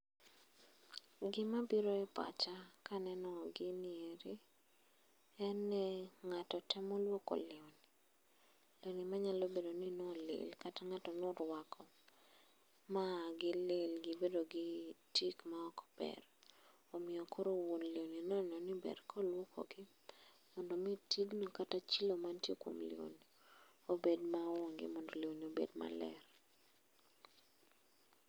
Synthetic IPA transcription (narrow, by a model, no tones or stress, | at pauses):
ɡɪmabiɾoɛpa̰t͡ʃakanɛnɔɡɪnɪeɾi | ɛnːɛŋatɔtɛmɔlwoko̰lɪwni | lenimaɲalobedoninolḛlkataŋatɔnoɾwakɔ | maɡɪlelɡɪbedoɡɪtikmaɔkɔ̥pɛ̰ɾ | omɪɔkʰoɾowonlioninɔnɔnɪbɛ̰rkʰɔlwokʰo̰ɡɪ | mɔndomitiɡnokatat͡ʃilomantjekwo̰mlḭo̰n | obedmawoŋɡɪ̰mɔndolionobḛdma̰lɛ̰ɾ